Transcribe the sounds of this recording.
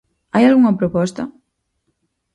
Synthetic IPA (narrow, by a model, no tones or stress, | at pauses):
ajalɣuŋɐpɾopɔst̪ɐ̰